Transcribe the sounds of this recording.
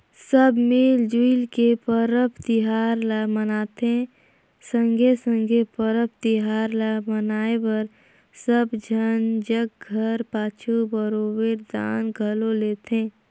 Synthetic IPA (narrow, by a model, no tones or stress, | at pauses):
səbmeːld͡ʒuilkepəɾəpʰt̪ɪɦaːɾlamənaːt̪e | sə̃ŋɡʱesə̃ŋɡʱepəɾəp̚ʰt̪ɪɦaːɾlamənaːebəɾ | səbd͡ʒʱənd͡ʒək̚ɡʱəɾpaːt͡ʃʰubəɾobeɾd̪a̰ːnɡʱəloleːt̪ẽː